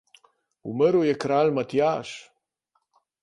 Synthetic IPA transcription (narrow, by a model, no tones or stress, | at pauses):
ṵməɾujɛkɾaːlmat̪jaːʃ